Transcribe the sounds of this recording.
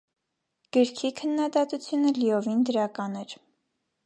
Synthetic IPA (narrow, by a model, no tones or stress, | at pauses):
ɡ̥əɾkʰikʰənːɑd̪ɑt̪ut͡sʰjunəliɔvind̪əɾɑkɑnɛɾ